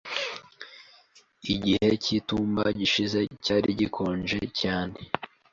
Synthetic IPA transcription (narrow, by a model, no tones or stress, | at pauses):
iɟihe̞cituːmbaɟiʃize̞caːɾiɟikʰo̞ːnʒe̞̰caːne̞